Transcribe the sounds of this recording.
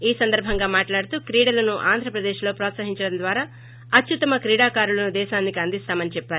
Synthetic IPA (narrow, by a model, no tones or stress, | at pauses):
iːsɐnd̪ɐɾbʱɐŋɡaːmaːʈlaːɽut̪uːkɾiːɽɐlɐnuʔaːnd̪ʱɾɐpɾɐd̪eːʃlo̞ːpɾɔːt̪sɐɦiɲt͡ʃɐɽɐnd̪ʋaːɾaː | ɐt̪t͡ʃut̪ɐmɐkɾiːɽaːkaːɾulɐnud̪ɛːʃaːnːikiɐnd̪ist̪aːmɐnit͡ʃɛpːaːɾu